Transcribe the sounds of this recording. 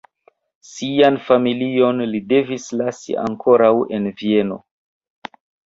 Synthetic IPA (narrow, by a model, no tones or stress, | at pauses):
sianfamilio̞nlide̞vislasḭʔa̰ŋkʰo̞ɾawe̞nvie̞no̞̰